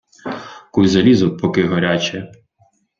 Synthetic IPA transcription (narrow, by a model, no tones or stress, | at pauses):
kujzɐlʲizʊpʰɔkɪɦɔɾʲat͡ʃɛ